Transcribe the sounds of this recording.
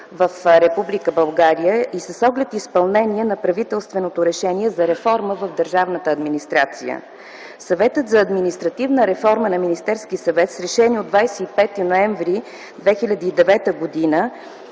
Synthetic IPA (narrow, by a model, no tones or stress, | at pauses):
vəfɾɛpublikəbɐlˠɡaɾijəʔisəsɔɡlɛt̪ispɐlˠnɛniɛnɐpɾɐvit̪ɛlˠst̪vɛnot̪oɾɛʃɛniɛzɐɾɛfɔɾməvəvd̪əɾʒavnət̪əːd̪minist̪ɾat̪sḭjə̰ | sɐvɛt̪ət̪zɐːd̪minist̪ɾɐt̪ivnəɾɛfɔɾmənɐminist̪ɛɾskisɐvɛt̪sɾɛʃɛniod̪vajsɛipɛt̪inoɛɱvɾi | d̪vɛxilʲəd̪iːd̪ɛvɛt̪əɡod̪inə